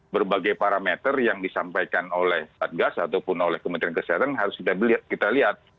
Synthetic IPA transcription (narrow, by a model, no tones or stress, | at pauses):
bərbaɡajpaɾamɛt̪ərjaŋdisampajkanolɛhbat̪̚ɡasaːt̪awpʊnolɛhkəmənt̪ɾiankəseɦat̪anɦaɾʊskit̪abliat̪̚kit̪aliɦat̪̚